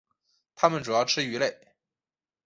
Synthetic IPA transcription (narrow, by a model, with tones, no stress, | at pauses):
t̪ʰa˥mə˨nʈ͡ʂu˨˩jɑ˥˧ʊʈ͡ʂʰɻ̩˥y˧˥le˥˩ɪ